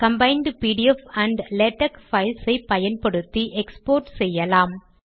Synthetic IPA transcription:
kɐmbɐɪnd̪piːʈiɛfɐɳɖlɛʈːɐkfɐɪlsɐɪpɐjɐnpɐɽɯt̪ːiʔɛkspoːɾʈsɛjːɐlaːm

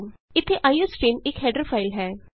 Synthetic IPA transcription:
ɪt̪ʰːeʔaːiosʈeːnɪkɦɛːɖəɾpʰaːɪlɦɛː

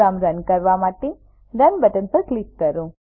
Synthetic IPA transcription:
amɾənkəɾʋamaʈe | ɾənbəʈənpəɾklikːəɾũ

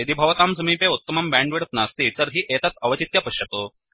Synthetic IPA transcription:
ed̪ibʱɐʋt̪amsəmiːpeut̪ːəmɐmbæ̃ɳɖʋiɽət̪nast̪iːt̪əɾɦiːʔet̪at̪ɐʋət͡ɕit̪japəɕjət̪o

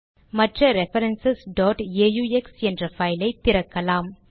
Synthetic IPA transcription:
mɐʈrɐɾɛfɐɾɛnsɛsɖɔːʈeːjuːɛksɛndrɐfɐɪlɐɪt̪ːɪɾɐkːɐlaːm

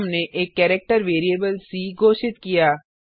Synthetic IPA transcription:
mneʔeːkːɛːɾɛk̚ʈəɾʋeːɾijeːbəlsiːɡʱoːʃɪt̪kijaː

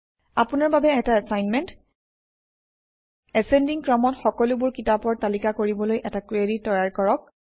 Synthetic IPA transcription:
a̰pʊnaɹbabɛɛtaɛsajnmɛnt | ɛsɛndiŋkɹɔmɔtxɔkɔlʊbʊɹkitapɔɹtalikakoɹibɔlojʔɛtakɹeditːɔjaɹkɔɹɔk̚

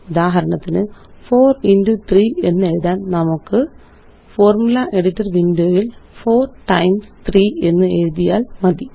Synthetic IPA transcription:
ud̪aːɦɐɾɐɳɐt̪ːinɨfo̞ːrindut̪riːe̞nːeɻuðaːnnɐmukːɨ | fo̞ːrmulɐʔe̞ɽitːɐrʋindoːjilfo̞ːrʈɐjmst̪riːe̞nːɨe̞ɻuðija̰ːlmɐd̪i

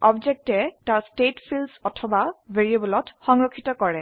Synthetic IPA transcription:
ɔbd͡ʒek̚tɛtaɹstetpʰilsɔtʰɔbabʱeɹiebɔlɔtxɔŋɹɔkʰːitɔkɔɹɛ

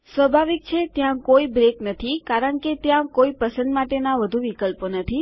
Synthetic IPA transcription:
sʋəbʱaʋik̚t͡ʃʰet̪jãkoibɾeknət̪ʰikaɾəɳket̪jãkoipəsə̃nd̪maʈenaʋəd̪ʱuʋikəlponət̪ʰi

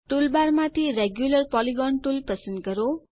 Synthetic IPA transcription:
ʈulbarmat̪ʰiɾeɡjulʌrpɔliɡɔnʈulpʌsənɡʌɾo

